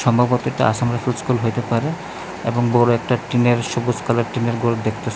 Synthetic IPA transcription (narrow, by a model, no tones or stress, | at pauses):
ʃɔmbʱabɔt̪ːoeʈaa̰ʃamɾafʰulskulɦojt̪epaɾe | ḛboŋbɔɾoɛk̚ʈaʈineɾʃobud͡ʑkaleɾʈineɾɡulod̪ekʰt̪e